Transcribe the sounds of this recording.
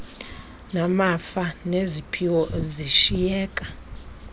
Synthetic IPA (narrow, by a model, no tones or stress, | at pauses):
namafanezipʰiwɔziʃijɛːkʼa